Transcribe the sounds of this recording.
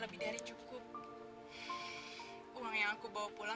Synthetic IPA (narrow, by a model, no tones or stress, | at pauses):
ləbɪhdaɾit͡ʃukʊp̚ | uaŋjaŋakubawapula